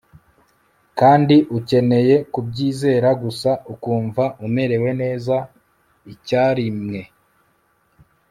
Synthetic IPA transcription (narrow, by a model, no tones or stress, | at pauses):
kaːndiʔuce̞ne̞je̞kub̚ɟiːze̞ːɾaɡusaukuːɱvaʔume̞ɾe̞we̞ne̞ːza | icaːɾimŋe̞